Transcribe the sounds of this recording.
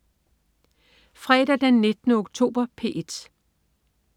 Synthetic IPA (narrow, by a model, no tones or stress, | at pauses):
fʁɛːɾ̥æd̥enːe̝d̥ənəoɡ̥̚t͡sʰo̝̰ːb̥ɐpʰe̝̰ːd̥